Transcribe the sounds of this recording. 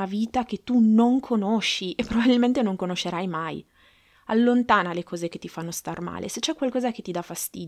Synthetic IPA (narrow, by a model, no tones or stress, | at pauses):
aviːt̪aket̪ːunoŋkʰonoʃːiʔepːɾobabilment̪enoŋkonoʃːeɾajmaj | alːont̪aːnalekʰɔːzeket̪ːifanːost̪arma̰ːlʔḛset͡ʃːɛkwalkɔːzaket̪ːid̪afast̪ḭd̪